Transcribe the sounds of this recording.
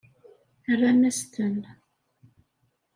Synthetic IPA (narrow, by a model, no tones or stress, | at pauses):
ərːamæst̪ən